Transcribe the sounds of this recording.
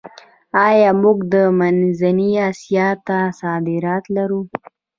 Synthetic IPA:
ɑjɑmʊɡd̪əmanzaniɑsijɑt̪asɑd̪ɪɾɑt̪laɾu

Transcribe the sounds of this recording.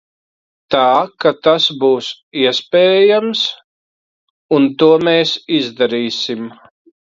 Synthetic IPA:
t̪aːkat̪asbuːs | iɛspʲɛːjams | unt̪uɔmeːsizd̪aɾiːsim

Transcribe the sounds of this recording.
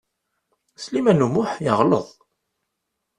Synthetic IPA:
slimænumʊħjəʁlə̰ðˤ

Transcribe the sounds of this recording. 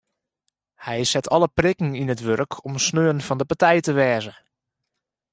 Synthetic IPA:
hɛjsɛtʰɔləprɪkŋ̩inətʋørkʰɔmsnøːənfɔndəpatɛjtəʋɛːzə

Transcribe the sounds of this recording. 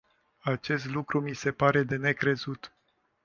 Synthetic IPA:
at͡ʃe̞s̬t̪lukɾumise̞paɾe̞d̪e̞ne̞kɾe̞zut̪

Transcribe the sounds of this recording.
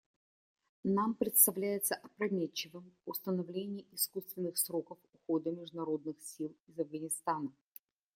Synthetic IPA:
nampɾʲɪt̪st̪ɐvlʲæjɪt̪səʔɐpɾɐmʲet͡ɕːɪvɨmʊst̪ənɐvlʲenʲɪːʔɪskust̪vʲɪnːɨxsɾo̞kəfʊxo̞d̪əmʲɪʐd̪ʊnɐɾo̞d̪nɨxsʲilˠɪzɐvɡənʲɪst̪anə

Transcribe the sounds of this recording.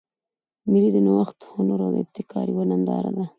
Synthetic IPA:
miɾid̪ənawaxt̪xonoɾad̪əɪb̚t̪ɪkɑɾiwanand̪ɑ̰ɾa̰d̪a

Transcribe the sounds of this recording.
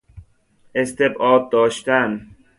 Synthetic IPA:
est̪ebɒːd̪̚ːɒːʃt̪æn

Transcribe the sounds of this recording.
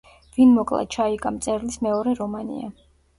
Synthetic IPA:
vinmɔkʼlˠa̰t͡ʃʰaikʼamt̪sʼɛɾlismɛɔɾɛɾɔmanḭa̰

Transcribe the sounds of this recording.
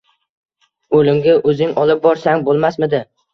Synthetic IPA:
olɪmɡʲaʔɵzɪŋɒlˠɪp̚bɒɾsaŋbolˠmasmɪd̪ɪ

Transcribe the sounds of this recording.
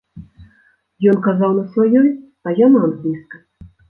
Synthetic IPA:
jɔnkazawnɐsvajɔj | ɐjanaanlʲiskɐ

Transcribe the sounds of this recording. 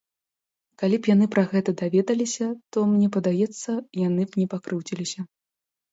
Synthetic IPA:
kalʲipjan̪ɨpɾɐɣɛt̪ɐd̪avʲɛd̪ɐlʲisʲɐt̪ɔmnʲɛpɐd̪ajɛt̪sːɐjanɨpnʲɛpakɾɨwt͡sʲilʲisʲɐ

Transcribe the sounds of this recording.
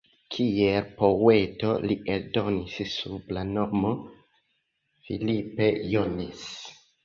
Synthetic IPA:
kʰielpo̞weto̞liʔeɾdo̞nissublano̞mo̞ | fḭlipe̞jonis

